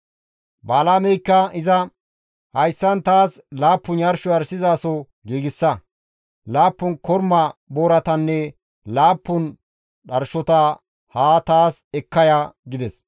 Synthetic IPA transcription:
baːlaːmɛjkːɐɪzɐ | hɐjsːɐnt̪aːslaːpːʊnjɐɾʃɔɐɾsɪzaːsɔ | ɡiːɡɪsːɐ | laːpːʊnkɔɾmɐboːɾɐt̪ɐnːɛ | laːpːʊn | ɗɐɾʃɔt̪ɐ | haːt̪aːsɛkːɐjaːɡɪd̪ɛs

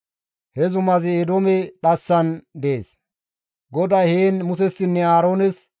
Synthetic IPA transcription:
hɛzʊmɐzɪːd̪oːmɛᶑɐsːɐnd̪eeːs | ɡɔd̪aheːnmʊsɛsːɪnːɛaːɾoːnɛs

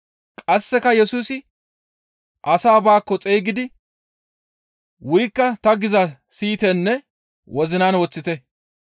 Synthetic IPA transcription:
kʼɐsːɛkɐjɛsuːsɪ | ʔɐsaːbaːkːɔt͡sʼejɡɪd̪ɪ | wʊɾɪkːɐt̪ɐɡɪzɐsiːt̪ɛnːɛ | wɔzɪnaːnwɔt͡sːɪt̪ɛ

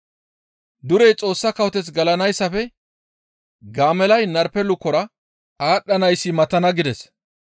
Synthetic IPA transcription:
d̪ʊɾɛjt͡sʼo̞ːsːɐkɐwɔt̪ɛt͡sɡɐlɐnɐjsːɐfɛ | ɡaːmɛlɐjnɐɾpɛlʊkːɔɾɐ | aːɗːɐnɐjsːɪmɐt̪ɐnɐɡɪd̪ɛs

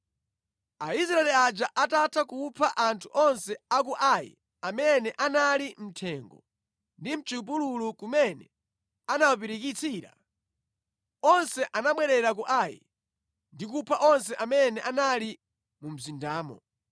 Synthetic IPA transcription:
aisɾaɛlɛad͡ʒaʔatatʰakupʰaʔantʰuʔɔnsɛakuʔajḭ | amɛnɛʔanalim̩tʰɛŋɡɔ̰ | ndim̩t͡ʃip̬ululukumɛnɛ | anawap̬iɾik̬it͡sʰiːɾa̰ | ɔnsɛʔanaɓwɛɾɛɾak̬uʔaːjḭ | ndik̬upʰaʔɔnsɛʔamɛnɛʔanali | mum̩zindaːmɔ̰

